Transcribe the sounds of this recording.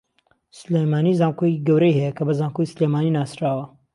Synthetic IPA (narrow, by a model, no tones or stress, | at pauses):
slemaːnizaːmkoiɡɐwɾɐjhɛjɐkʰɐbɐzaːmkoislemaːninaːsɾaːwɐ